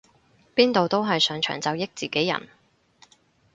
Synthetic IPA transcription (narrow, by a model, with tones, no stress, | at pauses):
piː˥nt̪o˨wt̪o˥wɦɐ˨jsœː˨˥ŋt͡ʃʰœ̰ː˨˩ŋt͡sɐ˨˧wjɪ˥k̚t͡siː˨ke˨˥jːɐ̰˨˩n